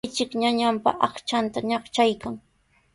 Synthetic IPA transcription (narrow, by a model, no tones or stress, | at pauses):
jt͡ʃɪkɲaɲampa̰ɑχt͡ʃant̪aɲɑχt͡ʃajkaŋ